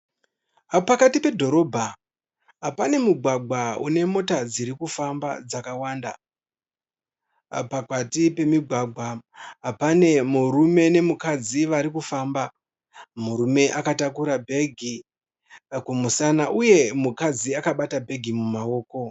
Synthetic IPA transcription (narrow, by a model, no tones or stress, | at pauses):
apakatipe̞dʱo̞ɾo̞bʱa | ɦapane̞muɡʱwaɡʱwaṵne̞mo̞tad͡ziɾikufamba̰d͡zakawaːnda | pakatipe̞miɡʱwaɡʱwaɦapane̞muɾume̞ne̞mukad͡ziʋaɾikufaːmba | muɾume̞ʔakatakuɾabʱe̞ɡʱi | kumusanaʔuje̞mukad͡ziakaɓatabʱe̞ɡʱimumao̞ːko̞